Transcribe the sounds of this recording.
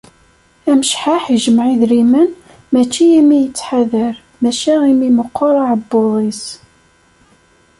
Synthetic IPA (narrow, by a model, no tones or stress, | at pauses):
æməʃħaħiʒəmʕiðɾimən | mæt͡ʃːiæmijət͡sːħaðəɾ | mæʃæʁimiməqːoɾˤaʕəbːʊðˤis